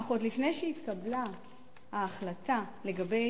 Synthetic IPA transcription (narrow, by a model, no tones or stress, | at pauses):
χotlifnejʃeit̪kabla | haːχlatale̞ɡabe̞